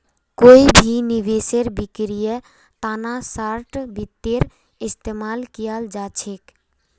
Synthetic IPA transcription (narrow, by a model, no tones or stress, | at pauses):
koibʱiniʋeseɾbikɾijə | t̪aːnasaɾʈbit̪ːeɾ | ɪst̪eːmaːlkijald͡ʒat͡ʃʰek